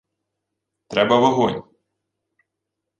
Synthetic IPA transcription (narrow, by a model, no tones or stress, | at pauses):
t̪ɾɛbɐʋɐɦɔnʲ